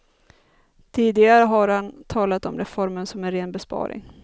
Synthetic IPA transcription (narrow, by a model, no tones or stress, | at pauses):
t̪ʰiːd̪ɪɡaɾəɦaɾhant̪ʰɑːlat̪ɔmɾɛfɔɾmənsɔmæɾeːnbɛspɑ̰ːɾɪ̰ŋ